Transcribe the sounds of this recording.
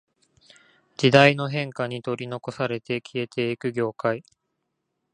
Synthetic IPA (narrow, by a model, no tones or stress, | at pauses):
d͡ʑid̪aino̞ɦẽ̞ŋkaɲ̟it̪o̞ɾʲino̞ko̞saɾe̞t̪e̞kʲʰie̞t̪ʰe̞ikɯ̟ɡʲo̞ːkai